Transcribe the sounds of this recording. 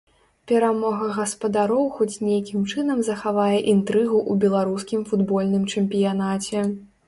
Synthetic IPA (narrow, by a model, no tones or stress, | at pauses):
pʲɛɾamɔɣɐɣɐspɐd̪aɾɔwxɔt͡sʲnʲejakʲimt͡ʂɨnɐmzɐxavajɛʔint̪ɾɨɣuʔubʲɛlˠaɾuskʲimfud̪bɔlʲnɨmt͡ʂɛmʲpʲijanat͡sʲɛ